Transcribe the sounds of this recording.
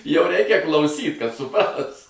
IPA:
jɛʊ ˈrʲɛɪkʲɛ klˠɐʊˈsʲiːt kɐt sʊˈprɐs

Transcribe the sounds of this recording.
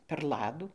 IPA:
pʲɛr ˈlˠɑːduː

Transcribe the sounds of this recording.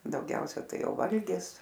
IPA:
dɐʊˈɡʲɛʊsʲɛ ˈtɐɪ ˈjɛʊ ˈʋɐlʲɡʲɪs

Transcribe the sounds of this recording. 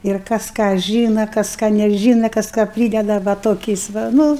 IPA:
ɪr ˈkɐs kɑː ˈʒʲiːnɐ ˈkɐs ˈkɑː nʲɛˈʒʲiːnɐ ˈkɐs kɑː ˈpʲrʲiːdʲɛdɐ ʋɐ ˈtoːkʲɛɪs ʋɐ ˈnʊ

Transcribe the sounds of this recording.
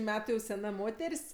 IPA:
ˈmʲæːtʊ jɛʊ sʲɛˈnɐ ˈmoːtʲɛrʲsʲ

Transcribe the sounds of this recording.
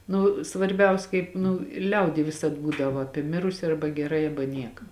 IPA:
ˈnʊ sʋɐrʲˈbʲɛʊs ˈkɐɪp nʊ ɪ ˈlʲɛʊdʲiː ˈʋʲɪsɐt ˈbuːdɐʋɐ ˈɑːpʲiɛ ˈmʲɪrʊsʲɪ ˈɐrbɐ ɡʲɛˈrɐɪ ˈɑːbɐ ˈnʲiɛkɐ

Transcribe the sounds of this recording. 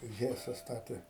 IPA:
ˈɣʲæːsɐ ˈstɑːtʲeː

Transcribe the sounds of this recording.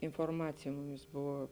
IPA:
ɪnfoːrˈmɑːt͡sʲɪjɛ ˈmʊmʲiːs ˈbʊʋoː

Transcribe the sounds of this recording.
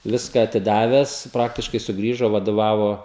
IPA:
ˈʋʲɪskɑː ɐtʲɪˈdɑːʋʲɛs ˈprɑːktʲɪʃkɐɪ sʊˈɡrʲiːʒoː ʋɐdoːˈʋɑːʋoː

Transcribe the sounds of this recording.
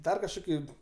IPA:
ˈdɐr kɐʃˈkoːkʲɪ

